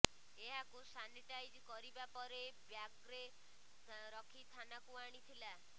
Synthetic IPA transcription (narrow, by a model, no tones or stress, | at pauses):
eɦakusaniʈajd͡ʒkɔɾibapɔɾebjaɡɾe | ɾɔkʰit̪ʰanakuaɽ̃it̪ʰila